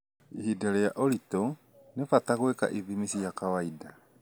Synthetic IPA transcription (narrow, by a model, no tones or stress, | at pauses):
ihidaɾejaʔoɾito | nefataɣweka̰ʔiðimisijakawaida